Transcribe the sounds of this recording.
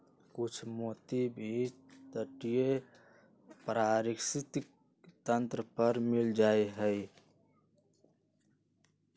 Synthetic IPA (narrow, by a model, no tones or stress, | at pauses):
kʊt͡ʃʰmoːt̪ibʱi | t̪əʈije | pɾaɾɪksɪt̪ | t̪ə̃nt̪ɾəpəɾmɪld͡ʒaːeɦəj